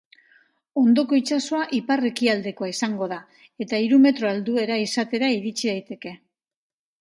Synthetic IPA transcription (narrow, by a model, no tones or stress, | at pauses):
o̞nd̪o̞ko̞it͡ʃaso̞aʔipare̞kiald̪e̞ko̞aisaŋɡo̞ð̞a | e̞t̪aiɾume̞t̪ɾo̞ald̪ue̞ɾaisat̪e̞ɾaiɾit͡ʃiðajt̪e̞ke̞